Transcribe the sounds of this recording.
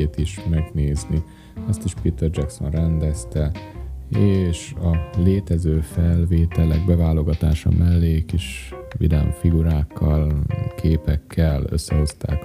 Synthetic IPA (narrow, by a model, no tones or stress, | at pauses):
eːt̪iʃmɛɡneːzni | ɒst̪iʃpit̪ɛrd͡ʒɛkso̞̰nrɛnd̪ɛst̪ɛ | eːʃɒleːt̪ɛzøːfɛlveːt̪ɛlɛ̰ɡ̚bɛvaːlo̞ɡɒt̪aːʃɒ̰mʔɛlːeːkiʃvḭd̪ɛ̰mfiɡuɾaːkʰːɒlkʰeːpɛkʰːɛlø̰sːɛɦo̞st̪a̰ːk